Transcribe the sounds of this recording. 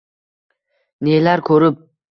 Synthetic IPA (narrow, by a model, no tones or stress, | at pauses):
nelaɾkʰɵɾɪp̚